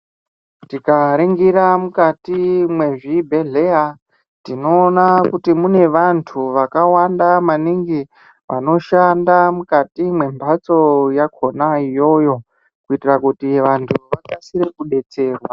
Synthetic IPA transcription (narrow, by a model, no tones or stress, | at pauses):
tikaɾeŋɡiɾamukatimwe̞ʐibʱe̞ɮea | tino̞ːnakutimune̞ʋantʰuʋakawandamaniŋɡi | ʋa̰no̞ʃandamukatimwe̞mbʱat͡so̞jakʰo̞naijo̞jo̞ | kuitirakutiʋantʰuʋakasiɾikuɗe̞t͡se̞ːrwa